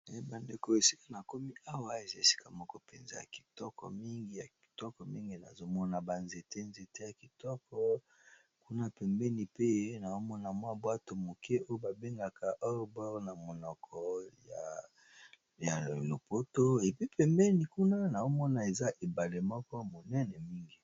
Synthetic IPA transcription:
e˨˦ba˨nde˨ko˦e˨si˦ka˦na˨ko˦mi˦a˦wa˦e˨za˦e˨si̥˦ka˨mɔ˦kɔ˦pɛ˨nze˦ja̰˨ki̥˨tɔ˦kɔ̰˨mi˦ŋɡi˦ja˨ki̥˨tɔ˦kɔ˨mi˦ŋɡi˦na̰˨zo˦mɔ˦na˨ba˨nze˨te˦nze˨te˦ja˨ki˨tɔ˦kɔ˦ | ku˦na˦pɛ˨mbɛ˦ni˨pe˦na˨o˦mɔ˦na˨mwa˦bwa˦to˨mo˨kʰe˦o˦jo˦ba˨be˦ŋɡa˨ka˨ʔɔ˦bɔ˦ʁna˨mo˨nɔ˨kʰɔ˨ja̰˨ | ja˨lo˨po˦to˦e˨pi˦pɛ˨mbɛ˦ni˨ku˦na˦na˨o˦mɔ˦na˨e˨za˦ʔe˨ba˨le˨mɔ˦kɔ˦mo˨nɛ˦nɛ˨mi˦ŋɡi˨

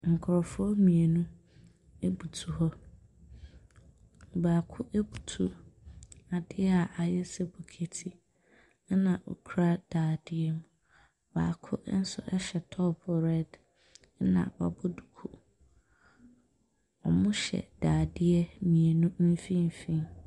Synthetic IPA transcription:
ŋ̩˨kʰʊ˨ɾɔ˨fʊ˦ɔ˦mĩ˨e˨nũ˦ | e˦bu˨tʰu˨hɔ˦ | baː˨kʰʊ˦ʔe˦bu˨tʰu˦ | a˨dɪ˦ɛ˦a˨ʔa˨jɛ˦sɛ˦bʊ˨kʰe˦tʰi˦ | nã˨ʔo̰˨kʰu˨ɾa˦d̥aː˨dɪ˦ɛ˦m̃˨ | ba̰ː˨kʰʊ˦n̩˦sʊ̰˦ʔɛ˦ɕɛ˨tʰɔ˦pʰɔ˨ɾɛ˦d | nã̰˨ba̰˨bʊ˦du˨kʰu˨ | ɔ̰˨mʊ̃˦ɕɛ̰˨d̥aː˨dɪ˦ɛ˦mĩ˨e˨nũ˦m̩˦fĩ˦m˨fĩ˦

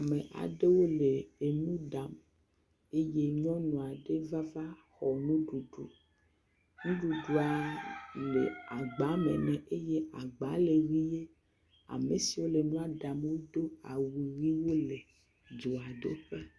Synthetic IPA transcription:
a˨mẽ˨ʔa̰˨ɖe˦wo˦le˨e˨nũ˦ɖa˨m | e˦je˦ɲɔ̃˦nɔ̃˨a˨ɖe˦va˦va˦xɔ˨nũ˦ɖu˨ɖṵ˨ | nũ˦ɖu˨ɖu˨a˨le˨a˨ɡ͡ba˨˦mḛ̃˨nɛ̃˨ʔe˦je˦a˨ɡ͡ba˨˦le˨wi˦je˦ | a̰˨me˨si˨wo˦le˨nũ˦a˨ɖa˨mwo˦d̪o˦a˨wi˨wi˦wo˦le˨ | d͡ʒo˨a˨do˦ɸe˦

